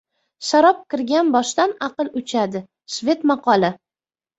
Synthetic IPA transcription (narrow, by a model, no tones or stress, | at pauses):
ʃaɾɒp̚kʲɪɾɡʲanbɒʃt̪anaqɨlˠʊt͡ʃʰad̪ɪ | ʃvʲe̞t̪mɑqɒlˠɪ